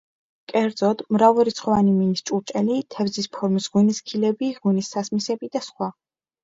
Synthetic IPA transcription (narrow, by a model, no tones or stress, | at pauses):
kʼɛɾd̪zɔd̪̥mɾavuɾit̪sʰχɔvaniminist͡ʃʼuɾt͡ʃʼɛlit̪ʰɛvzispʰɔɾmisʁuniskʰilɛbiʁunisːasmisɛbid̪asχwa